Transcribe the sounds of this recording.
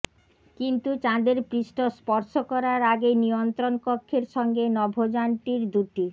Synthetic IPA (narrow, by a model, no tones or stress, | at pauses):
kint̪ut͡ɕãd̪eɾpɾiʃʈospɔɾʃokɔɾaɾaɡenijont̪ɾonkokʰːeɾʃɔŋɡenɔbʱod͡ʑaɳʈiɾd̪uʈi